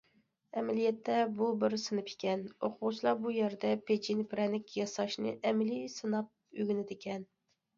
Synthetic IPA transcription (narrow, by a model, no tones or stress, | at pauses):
ɛmɛlijɛt̪ʰːɛbubɪɾsɨnɨpʰe̥kʲɛnoqʰʊʁt͡ʃʰilˠɑbujæɾd̪ɛpʰed͡ʒinpʰɪɾɛnɪkʲjɑsɑʃnɨ̰ʔɛmɪlisɨnɑp̚øɡʲynɪd̪ɪkʲʰɛn